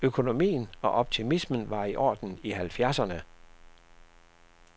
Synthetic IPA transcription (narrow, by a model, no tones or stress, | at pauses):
økʰo̝no̝mḭːn̩ɒ̽ʔɒ̽b̥̚t͡sʰimismən̩ʋɑ̈iʔɒ̰ːd̥n̩iɦælfjæɐsɐnə